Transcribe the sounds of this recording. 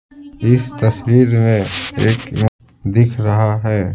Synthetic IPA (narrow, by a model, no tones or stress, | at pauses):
ɪst̪ɐswiːɾmẽeːk | d̪ɪkʰɾɐɦaɦɛː